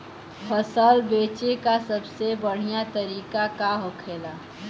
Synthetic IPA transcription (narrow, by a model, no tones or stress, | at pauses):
pʰəsəlbeːt͡ʃekasəbsebəɽ̤ijat̪əɾiːkakaɦokʰeːlaː